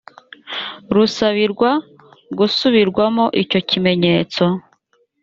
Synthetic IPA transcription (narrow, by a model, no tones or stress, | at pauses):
ɾusaβiɾɡwa | ɡusuβiɾɡwamo̞ʔico̞cime̞ɲe̞ːt͡so̞